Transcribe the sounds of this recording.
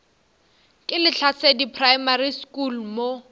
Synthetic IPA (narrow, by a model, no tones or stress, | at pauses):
kʼɪlɪt͡ɬʰat͡sʰedipʰrajmariskʼulmo